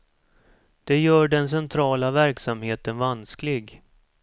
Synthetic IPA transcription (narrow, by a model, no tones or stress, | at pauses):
d̪̥ɛjœːɖɛns̬ɛnt̪ʰɾɑːlavæɾksamheːt̪ənvansklɪɡ